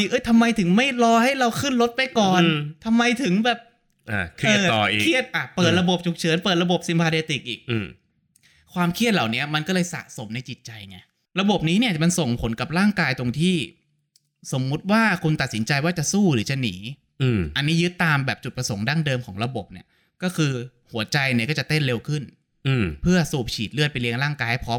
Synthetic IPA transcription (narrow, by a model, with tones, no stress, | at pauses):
ʔɤ˦˥jt̪ʰa˧mːa˧jt̪ʰɯ˩˦ŋma˥˩jlɔː˧ha˥˩jɾa˧wkʰɯ˥˩nlo˦˥t̪̚pa˧jkɔː˨˩nt̪ʰa˧mːa˧jt̪ʰɯ˨˩˦ŋbɛː˨˩p̚ | ʔa̰˧˩kʰəː˩˧˩ɔː˨˩ʔḭː˨kʰi˥˩ət̪̚ʔa˧˩pɤː˨˩t̪̚ɾa˧bo˨˩p̚t͡ɕʰu˨˩k̚t͡ɕʰɯː˩˦npɤː˨˩t̪̚ɾa˧bo˨˩p̚si˨˩˦mpʰaː˧teː˧t̪i˨˩k̚ʔiː˨˩k̚ː | kʰwaː˧mkʰi˥˩t̪̚la˨˩wni˦˥ɐma˧nkɔː˥˩lɤː˧jsa̰˨˩ʔso˩˦mna˧jt͡ɕi˨˩t̪̚t͡ɕa˧jŋa˧˩j | ɾa˧bo˨˩p̚niː˦˥ni˥˩ma˧nso˨˩ŋpʰo˨˩˦nka˨˩p̚ɾaː˥˩ŋkaː˧jt̪o˧ŋt̪ʰiː˥˩ | so˩˦mːu˦˥t̪̚waː˥˩kʰu˧nt̪a˨˩t̪̚si˩˦nt͡ɕa˧jwaː˥˩t͡ɕa˨˩suː˥˩ɾɯː˩˦t͡ɕa˨˧˩nḭː˩˦˧ | ʔa˧nːiː˦˥jɯ˦˥t̪ːaː˧mbɛː˨˩p̚t͡ɕu˨˩t̪̚pɾa˧so˩˦ŋdaː˥˩ndɤː˧mkʰɔː˩˦ŋɾa˧bo˨˩p̚nḭ˥˩ɐ | kɔː˥˩kʰɯː˧ | hu˩˦ɐt͡ɕa˧jn˧˨˩kɔː˥˩t͡ɕa˨˩t̪e˥˩nle˧wkʰɯ˥˩n˧˩ | pʰɯ˥˩ɐsuː˨˩p̚t͡ɕʰiː˨˩t̪̚lɯ˥˩ət̪̚pe˧nli˧əŋɾaː˥˩ŋkaː˧jpʰɾɔː˦˥m